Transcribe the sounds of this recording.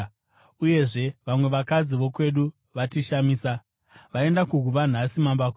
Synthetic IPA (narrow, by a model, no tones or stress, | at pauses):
uje̞ʐe̞ʋamwe̞ʋakad͡ziʋo̞kwe̞ɗu | ʋatiʃamiːsa | ʋae̞ndakuɡʱuʋan̤asimambakː